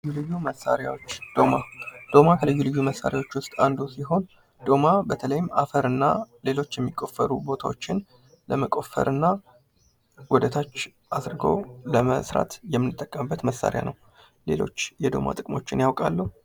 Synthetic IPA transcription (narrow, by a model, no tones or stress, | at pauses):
jːulɨjːuməsːa̰ɾja̰wo̞t͡ʃːd̪̥o̞mad̪̥o̞makʰəlɨjːulɨjːuməsːa̰ɾjawo̞t͡ʃːwʊst̪ʼand̪usiɦo̞n | d̪̥o̞mabət̪ʰələjɪmʔafəɾɨnːale̞lo̞t͡ʃːjɛmːikʼːo̞fːəɾubo̞t̪ʰawo̞t͡ʃːɪn | ləməkʼo̞fə̰ɾʔɨnːa | wɔd̪ət̪ʰat͡ʃː | ʔadɾɨɡə̰wləməsɾa̰t̪jɛmːɨnɨt̪ʼːəkʼːəmbːət̪məsːa̰ɾja̰nʔəw | le̞̰lo̞̰t͡ʃːjɛd̪o̞̰mʔa̰t̪ʼɨkʼmo̞t͡ʃːɪnjawkʼalːəh